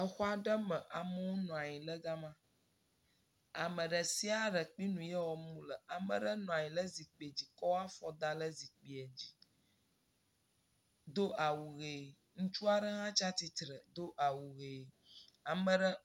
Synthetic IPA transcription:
ə˨xɔ˦a˨ɖə˦mə̃˨ʔa˨mə˦wo˦nɔ̃˨a˨ɲĩ˨lə˦ɡa˦mã˦ | a˨mə̃˨ɖə˨si˦a˨ɖə˨k͡pi˦nũ˨jɛ˦wɔ˨mũ˦lə˨a˨mə˨ɖə˦nɔ̃˨a˨ɲĩ˨lə˦zi˨k͡pi˨e˨d͡ʑi˨kɔ˦wa˦fɔ˦d̪a˦lə˦zi˨k͡pi˨e˨d͡ʑi˨ | d̪o˦ʔa˨wu˨ɣe˨ | ŋũ˦t͡ʃu˦a˦ɖə˦ɦã˦t͡ʃa˦t̪i˦t̪ɾə˨d̪o˦ʔa˨wu˨ɣe˨ | a˨mə̃˨ɖə˦

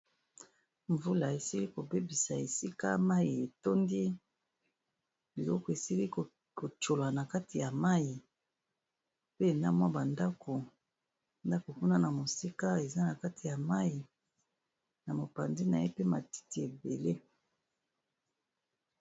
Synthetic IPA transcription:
ɱvu˦la˨e˨si˦li˦ko˨be˦bi˨sa˨e˨si˦ka̰˦ma˦i˨e˨to˦ndi˦ | bi˨lɔ˦kɔ˨e˨si˦li˦k | ko˨t͡ʃo˨la˨na˨ka˦ti˨ja˨ma˦ji˨ | pe˦e˨na˦mwa˦ba˨nda˦ko˨ | nda˦ko˨ku˦na˦na˨mo˨si˦ka˦e˨za˦na˨ka˦ti˨ja˨ma˦ji˨ | na˨mo˨pa˨ndi˦na˨je˦pe˦ma˨ti̥˦ti˨e˨be˨le˦

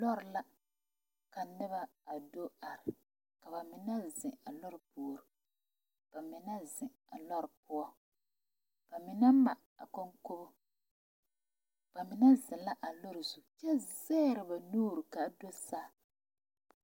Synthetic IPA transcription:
lɔ˦ɾɪ˨la˦ | ka˨nɪ˦ba˦a˨do˦a˨ɾɪ˨ | ka˨ba˨mɪ˨na˦zɪ˨a˨lɔ˦ɾpu˨ɾi˨ | b̥a˨mɪ˨na˦zɪ˨ | a̰˨lɔ˦ɾpʊ˦ɔ˦ | b̥a˨mɪ˨na˦ma˨ | a̰˨ko˦ŋko˦bʊ˦ | b̥a˨mɪ˨na˦zɪ˨la˦ʔa˨lo˦ɾɪ˨zu˨t͡ʃɛ˦˨zɛː˦ɾɨ˨ba˨nuː˦ɾɨ˨ka˨do˦saː˦˨

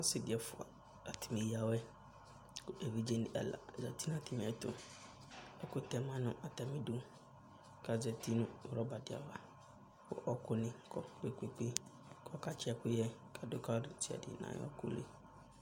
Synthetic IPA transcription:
a˦sɪ˦dɪ˨ɛ˨fʊ˨a̰˨ | a˨tʰɪ˨mẽ˨i˦a˨wɛ˦ | kʊ˦e˨vi˦d͡ʒɛ˦nɪ˦˨ʔɛ̰˨la̰˨zɛ˨ti˦n˦a˨tʰɪ˨mɪ̃˨ɛ˨tʊ̰˦ | ɛ˦kʊ˦tɛ˨mã˦nʊ̃˦ʔa˨tɛ˨mɪ̃˦du˦ | ka˨zɛ˨tʰi˦nʊ̃˦˨ɾɔ˦ba˨dɪ˨a̰˨va˨ | kʊ̰˦ʔɔ˦kʊ˦nɪ̃˦kʰɔ˦k͡pe˦ke˦k͡pe˦ | kʰɔ˦ka˨t͡ʃʰɪ˦ɛ˦kʊ˦jɛ˦kʰa˨dʊ˦ka˦dʊ˨˦tʰɪ˦ɛ̰˨dɪ̰˨nã̰˨j̰ɔ̰˦kʊ̰˦lḛ˦

